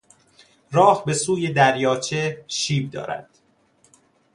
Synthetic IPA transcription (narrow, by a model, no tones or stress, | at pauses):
rɒːhbe̞suːje̞d̪æɾjɒːt͡ʃʰe̞ʃiːb̚d̪ɒ̰ːɾæ̰d̪̥